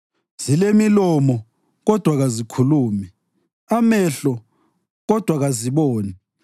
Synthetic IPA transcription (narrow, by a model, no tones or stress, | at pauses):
z̥ilemilɔmɔ | ɣɔd̥ʱwaɣazikʰuluːmɛ | amɛɬɔ | ɣɔd̥ʱwaɣaziβoːni